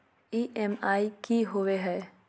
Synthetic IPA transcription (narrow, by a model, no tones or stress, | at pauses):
iːʔɛmaːikiɦoʋeɦɛː